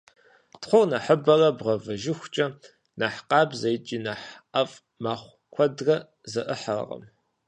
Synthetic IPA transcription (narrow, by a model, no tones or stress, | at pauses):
tχʷʊrnɐħəbɐrɐbʁɐvɐʒɪxʷt͡ʃʼɐ | naːħqɑːbzɐjt͡ʃʼiːnaħʔɐfʼ | maːχʷ | kʷʰɔdrɐ | zɐʔəħar̰ʁɐ̰m